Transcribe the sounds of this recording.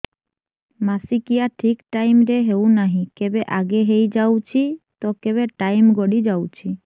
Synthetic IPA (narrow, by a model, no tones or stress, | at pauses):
masikijaʈʰikʈajmɾeɦewnaɦĩkebeʔaɡeɦejd͡ʒawt͡ʃʰit̪ɔkeβeʈajmɡɔɽid͡ʒawt͡ʃʰi